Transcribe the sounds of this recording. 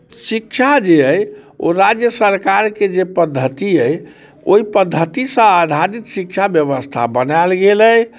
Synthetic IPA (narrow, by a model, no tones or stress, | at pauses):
sikʃʰad͡ʒeəjo̰ɾad͡ʒjəsəɾkaɾked͡ʒepəd̪ʱːət̪iəj | o̰ipəd̪ʱːət̪isə̃ad̪ʱaɾit̪sikt͡ʃʰabjəβəst̪ʰa̰bənalɡeləj